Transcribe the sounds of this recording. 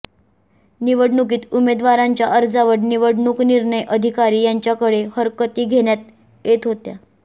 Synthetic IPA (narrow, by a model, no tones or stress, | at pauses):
niʋəɽɳuk̬iːt̪umed̪ʋaɾaɲt͡ɕjaʔəɾd͡zaʋəɽniʋəɽɳuːkniɾɳəjʔəd̪ʱikaɾiːjaɲt͡ɕjakəɽehəɾkət̪iːɡʱeɳjat̪̚ | jet̪ɦot̪ja̰